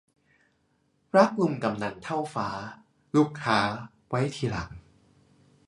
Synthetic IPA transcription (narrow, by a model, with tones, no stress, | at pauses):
ɾa˦˥k̚lu˧mka˨˩mna˨˩nt̪ʰa˥˩wfaː˩˦ | luː˦˥˩kʰːaː˦˥ | wa˦˥jt̪ʰiː˧la˨˩˦ŋ̚